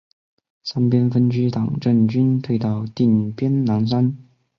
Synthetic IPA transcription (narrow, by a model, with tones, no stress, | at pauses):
sa˥npjɛ˥nfə˥nt͡ɕy˥t̪ɑ˨˩ŋʈ͡ʂə˥˩nt͡ɕy˥nt̪ʰwe˥˧ɪt̪ɑ˥˧ʊt̪i˥˩npjɛ˥nna˧˥nswa˥n